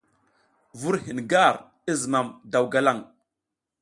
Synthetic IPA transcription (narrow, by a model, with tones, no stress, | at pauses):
vu˦ɾhi˨nɡa˦˨ɾ | i˦zə˨ma˨mda˨wɡa˦la˦˨ŋ